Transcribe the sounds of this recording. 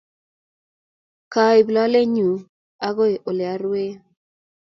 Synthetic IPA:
ka˨ɪ˨bla˦le˦ɲu˨ | a˦ɡɔ˦e˨ʔo˨le˨a˨˦ɾwe˦

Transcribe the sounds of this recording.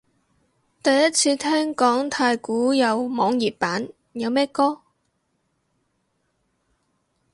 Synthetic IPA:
t̪ɐ˨jːɐ˥t̚t͡sʰiː˧t̪ʰɛː˥ŋkɔː˨˥ŋt̪ʰaː˧jkuː˨˥jɐ˨˧wmɔː˨˧ŋjiː˨˩p̚paː˨˥n | jɐ˨˧wmɛː˥kɔː˥

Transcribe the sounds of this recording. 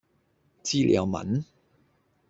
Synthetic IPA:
t͡siː˥lʔɛ̰˨˧wmɐ̰˨˥n

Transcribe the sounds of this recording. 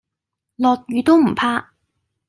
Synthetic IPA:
lɔː˨˧k̚ɥyː˨˧t̪o˥wm̩˨˩pʰaː˥

